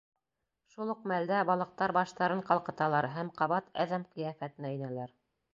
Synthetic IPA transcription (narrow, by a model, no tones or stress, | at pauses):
ʃulˠoq̚mæld̪æbɑlˠɤ̆q̚t̪ɑɾbɑʃt̪ɑɾɤɴqɑlˠqɤ̆t̪ɑlˠɑɾɦæmqɑβɑt̪æðæmqɤ̆jæfæt̪ɘ̆næɘ̆nælæɾ